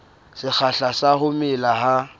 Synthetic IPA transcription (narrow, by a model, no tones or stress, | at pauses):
sɪk͡xʰaɬasahʊmɪlaha